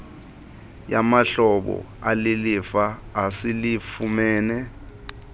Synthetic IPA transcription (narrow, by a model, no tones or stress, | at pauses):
jamaɬɔɓɔ̰ | alilifaːsilifumɛːnɛ